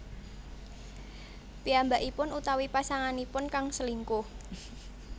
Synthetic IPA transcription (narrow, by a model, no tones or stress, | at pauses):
piambaʔipʊnut̪awipasaŋanipʊnkaŋsəliŋku